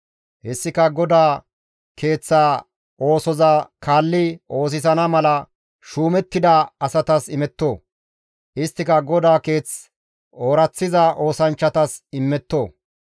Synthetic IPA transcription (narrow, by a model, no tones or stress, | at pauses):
hɛsːɪkɐɡɔd̪aː | kʰe̞ːt͡sːaː | ʔo̞ːsɔzaːkʰaːlːɪʔo̞ːs̬ɪsɐnɐmɐlɐ | ʃuːmɛt̪ːɪd̪ɐɐsɐt̪ɐsɪmɛt̪ːo̞ː | ʔɪst̪ːɪkɐɡɔd̪aːke̞ːt͡s | oːɾɐt͡sːɪzɐʔo̞ːsɐnt͡ʃːɐt̪ɐsɪmːɛt̪ːoː